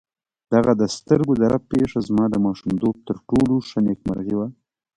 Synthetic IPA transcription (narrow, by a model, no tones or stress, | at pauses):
d̪̥aɣad̪əst̪əɾɡod̪aɾapeʂazmɑd̪əmɑʃumd̪ob̚t̪əɾʈoloʃanekma̰ɾɣiwa